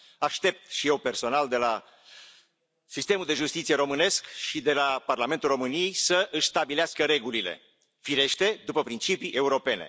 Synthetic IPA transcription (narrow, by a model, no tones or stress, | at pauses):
aʃt̪e̞p̚t̪ʃije̞wpe̞rso̞nald̪e̞la | sist̪e̞muld̪e̞ʒust̪it̪sijeɾo̞mɨne̞skʃid̪e̞laparlame̞nt̪ulro̞mɨnije̞jsəʔɨʃst̪abileaskəɾe̞ɡulile̞̰ | fiɾe̞ʃt̪e̞d̪upəpɾint͡ʃipiʔe̞uɾo̞pe̞ne̞̰